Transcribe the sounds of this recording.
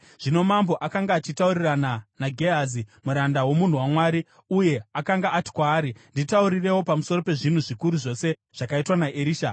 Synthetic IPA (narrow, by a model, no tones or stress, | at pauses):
ʐ̥ino̞mambo̞ʔakaŋɡaːt͡ʃitaurirananaɡʱeazimuɾandawo̞mun̤uwamwaɾi | uje̞akaŋɡaati̥kwaːɾinditauɾire̞wo̞pamuso̞ro̞pe̞ʐin̤uʐikuɾuʐo̞se̞ | ʐ̥akaitwanaʔeɾiːʃa